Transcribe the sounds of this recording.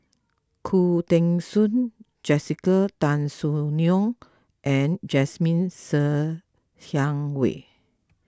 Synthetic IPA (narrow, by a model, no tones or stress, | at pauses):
kʰut̪ɛ̃ŋsũn | d͡ʒɛsikət̪ãnsuniɔ̃ŋ | ʔɛ̃nd͡ʒɛsmĩnsə | hãŋwḛ